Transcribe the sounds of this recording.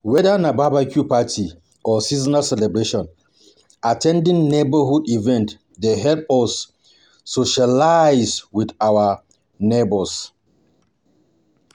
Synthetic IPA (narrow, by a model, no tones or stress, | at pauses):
wɛdanababakʰjupatʰi | ɔsizanasɛlɛbɹeʃɔ̃n | atʰɛ̃ndĩŋnebəɦudivɛ̃nt | deɦɛlp̚ɔsː | oʃalajzwidawa | nebɔs